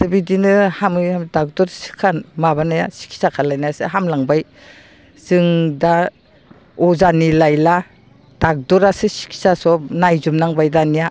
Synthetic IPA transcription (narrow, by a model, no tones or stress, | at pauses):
sɯbidinɯhamɯjhamdak̚dɔɾsi̥kʰanmaβanaja̰si̥kʰi̥sakʰalajnajasɯɦamlaŋbaj | z̥ɯŋda | ɔzanilajla | d̥ak̚dɔɾasɯsi̥kʰi̥sasɔpnajzumnaŋbajdanija